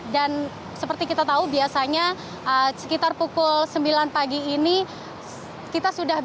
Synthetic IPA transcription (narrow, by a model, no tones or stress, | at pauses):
dan | səpərt̪ikit̪at̪aubiasaɲa | əsə̥kit̪arpukʊlsəmbilanpaɡiːni | kit̪asudah